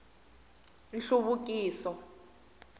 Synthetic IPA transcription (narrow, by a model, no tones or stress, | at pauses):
nɬuβuk̬ʼiːsɔ